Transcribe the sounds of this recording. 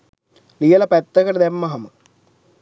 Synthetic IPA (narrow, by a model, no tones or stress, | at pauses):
lijɐlɐpɐt̪ːɐkɐɾd̪emːɐɦɐmɨ